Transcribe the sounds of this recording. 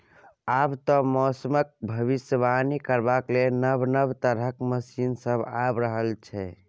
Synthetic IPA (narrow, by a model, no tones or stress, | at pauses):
abt̪ɔmɔsəmək̚bʱəʋisəbanikəɾbaklenəbnəbt̪əɾəkməsinsəbʱabɾəɦəlt͡ʃʰɛ